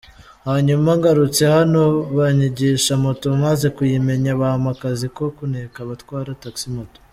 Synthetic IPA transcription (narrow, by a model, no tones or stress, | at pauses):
haɲumaŋɡaɾut͡se̞hano̞βaɲiɟiʃamoto̞maze̞kujime̞ɲaβahamakaziko̞kunekaβatkwaːɾataksimoto̥